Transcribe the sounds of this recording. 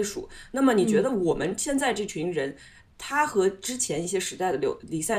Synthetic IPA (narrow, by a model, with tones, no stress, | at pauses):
ʂṵ˨˩˦na˥˩mə˩ni˨˩t͡ɕɥɛ˧˥d̪ə˧wɔ˨˩mə˦nɕjɛ˥˧nt͡sa˥˧ɪʈ͡ʂɤ˥˩t͡ɕʰy˧˥nɻə˧˥n | t̪ʰa˥xɤ˧˥ʈ͡ʂɻ̩˥t͡ɕʰjɛ˧˥ni˥˩ɕ̬jɛ˥ʂɻ̩˧˥t̪a˥˩ɪd̪ə˩ljo˧˥li˨˩sa˥˩